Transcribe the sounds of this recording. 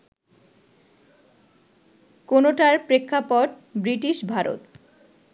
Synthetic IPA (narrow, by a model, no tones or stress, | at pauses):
konoʈaɾpɾekʰːapoʈ | bɾiʈiʃbʱaɾo̰t̪